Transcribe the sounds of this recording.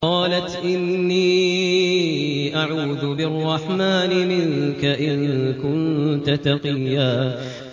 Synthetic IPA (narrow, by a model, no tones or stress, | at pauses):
qɑːlat̪ʔɪnːiː | ʔaʕuːd̪ʊbɪɑrˤːɑħmaːnɪmɪŋkaʔɪnkʊnt̪at̪ɑqɨjːaː